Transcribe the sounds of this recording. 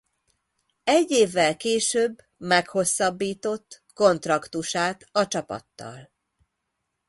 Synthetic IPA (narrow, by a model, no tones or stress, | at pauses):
ɛɟːeːvːɛlkeːʃøːbː | mɛkho̞sːɒbːiːt̪o̞t̪ː | ko̞nt̪rɒkt̪uʃaːt̪ɒt͡ʃɒpɒ̰t̪ːɒ̰l